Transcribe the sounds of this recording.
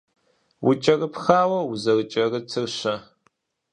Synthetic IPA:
wʊt͡ʃʼɐrɨpʰxaːwɐwʊzɐrɨt͡ʃʼɐrɨt͡sʰɨrɕɐ

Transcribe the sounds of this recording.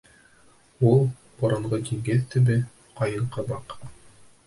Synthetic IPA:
ulˠ | bɑɾɑɴʁɤd̪ʲiŋɡɘðt̪ɘ̆bɘ | qɑjɤ̆ɴˠqɤ̆bɑq

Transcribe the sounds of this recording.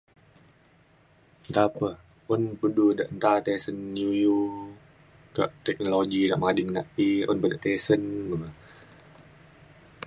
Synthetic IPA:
t̪apəh | ʔɔnpəduda̰ʔənt̪at̪ɛsənːuju | ka̰ʔt̪ɛk̚noloɡida̰ʔmadiŋna̰ʔiɔ̰npədaʔt̪ɛsənbə

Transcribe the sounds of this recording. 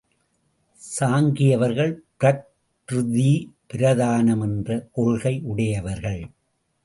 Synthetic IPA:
saːŋɡɪjɐʋɐɾɣɐɭpɪɾɐk̚ | ɾʊðipɪɾɐðaːnɐmɛndrɐʔɔɭɣɐɪʔʊɽɐjɐʋɐɾɣɐɭ

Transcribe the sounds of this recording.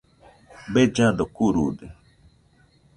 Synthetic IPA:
bed͡ʒadokuɾṵde

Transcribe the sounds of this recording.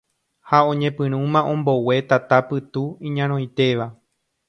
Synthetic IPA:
haõ̞ɲẽpɨ̃ɾ̃ũmãʔõ̞mbo̞we̞t̪at̪apɨt̪uĩɲãɾ̃õjt̪e̞ʋa

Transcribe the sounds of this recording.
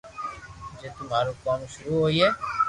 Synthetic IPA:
d͡ʒeːt̪ʊmaːɾuːkaːmʃʊɾuːɦoːiːɦɛː

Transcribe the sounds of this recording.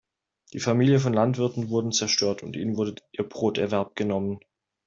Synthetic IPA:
d̥iːfamiːljəfɔnlantv̥ɪɐtn̩vʊɐdn̩t͡sɛɐʃtøːɐtʊntʔḭːnənvʊɐdəʔiːɐbʁoːtɛɐvɛɐp̚ɡ̥ənɔmən

